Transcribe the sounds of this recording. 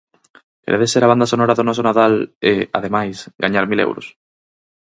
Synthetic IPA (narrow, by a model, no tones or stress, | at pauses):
kḛɾeðeseɾaβand̪asonɔɾaðonɔsonaðalea̰ðemajsɡaɲaɾmilḛwɾʊ̰s